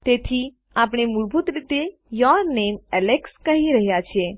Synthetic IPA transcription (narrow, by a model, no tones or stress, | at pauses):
t̪et̪ʰi | ap̬ɳ̃emuɭbʱut̪ɾit̪e | jɔɾnemɛlekskəɦiɾəɦjat͡ʃʰe